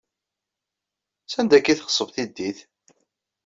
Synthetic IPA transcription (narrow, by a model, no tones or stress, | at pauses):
sænd̪ækːiθχə̥sˤːəvθid̪ːiθ